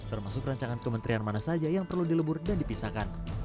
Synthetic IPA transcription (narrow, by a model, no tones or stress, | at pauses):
t̪ərmasʊkraɲt͡ʃaŋankəmənt̪ɾianmanasad͡ʒajaŋpərludiləbʊrdandipisakan